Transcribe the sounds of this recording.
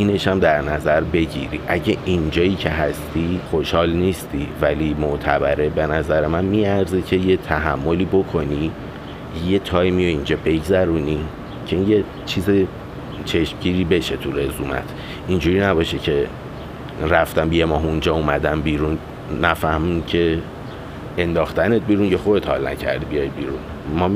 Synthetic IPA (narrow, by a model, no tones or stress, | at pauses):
iːne̞ʃæmd̪æɾnæzæɾbe̞ɟḭɾḭʔæɟeʔind͡ʒɒːjiːcʰe̞ɦæst̪iχo̞ʃhɒːlniːst̪ivælimoʔt̪ʰæbæɾe̞be̞næzæɾe̞mænmiæɾzecʰe̞je̞t̪ʰæɦæmːo̞liːbo̞kʰo̞ni | je̞t̪ʰɒːjmio̞ind͡ʒɒːbe̞ɟzæɾuni | cʰeinje̞ | t͡ʃʰiːze | t͡ʃʰeʃmɟiːɾiːbe̞ʃe̞t̪ʰure̞zuːmæ̰t̪ʰ | ind͡ʒuɾiːnæbɒːʃecʰe̞ | ɾæft̪æmbijemɒːɦund͡ʒɒːumæd̪æmbiːɾunː | æfæhmincʰe̞ | end̪ɒːxt̪æne̞t̪̚biːɾuncexod̪et̪hɒ̰lnæ̰cʰæ̰ɾd̪ibijɒjbiːɾṵn | mɒː